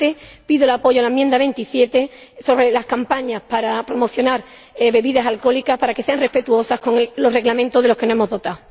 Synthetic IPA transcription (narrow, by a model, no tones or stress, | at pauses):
t̪epiðolapo̞ʝoalaemjẽnd̪aβe̞nt̪isje̞t̪e̞so̞βɾe̞laskampaɲahpaɾapɾo̞mo̞θjo̞naɾ | βe̞βiðasalko̞likahpaɾake̞se̞aŋre̞hpe̞t̪uo̞sahko̞ŋlo̞re̞ɣlamẽnt̪oðelo̞kenoemo̞ɦðo̞t̪aw